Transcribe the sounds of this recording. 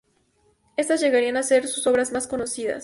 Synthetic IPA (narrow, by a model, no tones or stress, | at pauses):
e̞st̪azʝe̞ɣaɾianase̞ɾsuso̞βɾazmasko̞no̞siða̰s